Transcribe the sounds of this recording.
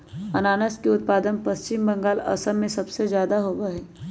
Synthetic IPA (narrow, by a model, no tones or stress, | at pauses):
ɐnaːnəskeʊt̪̚paːd̪ənpɐst͡ʃɪmbɐ̃ŋɡaːlɐ̰səmːẽsɐbsezjaːd̪aɦoːʋaɦɛː